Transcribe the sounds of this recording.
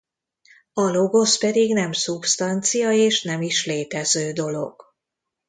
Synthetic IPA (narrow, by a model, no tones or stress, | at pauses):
ɒlo̞ɡo̞spɛd̪iɡnɛmsupst̪ɒnt̪sijɒeːʃnɛmiʃleːt̪ɛzøːd̪o̞lo̞̰ɡ̥